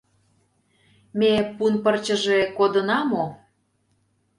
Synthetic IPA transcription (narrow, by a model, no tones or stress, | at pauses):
mepunpərt͡ɕə̆ʒekod̪ənɑmo